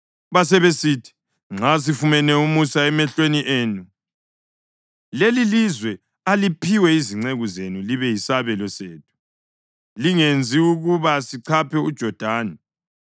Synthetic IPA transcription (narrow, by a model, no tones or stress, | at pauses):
βas̬ɛβesitʰi̥ | ŋ͡ǁas̬ifumɛnɛumusaɛmɛɬweniʔeːnu | lelilizwɛ | alipʰiwɛiziŋ͡ǀeɣuzenuliβɛjisaβɛlɔseːt̚ʰu̥ | liŋend͡zʱiuɣuβasiǀʰapʰɛud̥ʒ̥ʱɔd̥ʱaːnɛ